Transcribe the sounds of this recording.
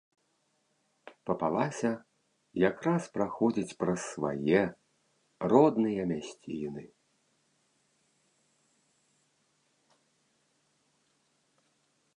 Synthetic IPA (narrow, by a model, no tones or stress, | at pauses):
pɐpalˠasʲɐ | jakɾaspɾaxɔd͡zʲit͡sʲpɾɐsːva̰jɛ | rɔd̪nɨjɐmʲasʲt͡sʲinɨ